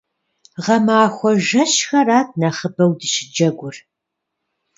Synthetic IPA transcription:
ʁɐmaːxʷɔʒɐɕxɐraːt̚ʰnaχəbɐwdɨɕɪd͡ʒɐɡʷʊr

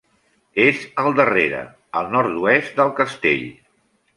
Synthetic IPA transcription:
ezəlˠd̪əreɾə̰ | əlˠnɔɾt̪uɛst̪d̪əlˠkəst̪ḛʎ

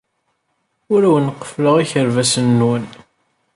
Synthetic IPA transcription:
ʊɾæwənqːə̥fləʁiçəɾvæsənːwən

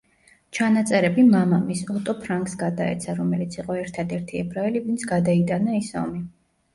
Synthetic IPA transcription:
t͡ʃʰanat̪sʼɛɾɛbimamamisɔt̪ʼɔpʰɾaŋɡsɡad̪aɛ̰t̪sʰaɾɔmɛlit̪sʰiqʼɔɛɾt̪ʰad̪ɛɾt̪ʰiɛbɾaɛlivint̪sʰɡad̪ait̪ʼanaisɔ̰mi

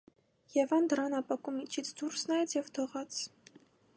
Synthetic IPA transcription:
jɛvɑnd̪əɾɑnɑpɑkumit͡ʃʰit͡sʰd̪uɾsnɑjɛt͡sʰjɛvt̪ʰɔʁɑt͡sʰ

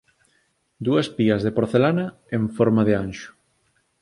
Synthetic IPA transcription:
d̪uɐspiɐzðepoɾθelanɐ | eɱfoɾmaðeanʃʊ̥

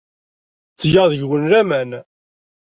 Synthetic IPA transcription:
t͡sːjɑðəʝwənɾæmæn

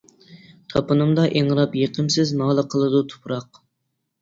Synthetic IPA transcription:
t̪ʰɑpɨnɨmd̪ɑʔeŋɾɑpjeqʰəmsɪzmɑːlˠəqʰəlˠɨd̪ut̪ʰu̥pʰɾɑq

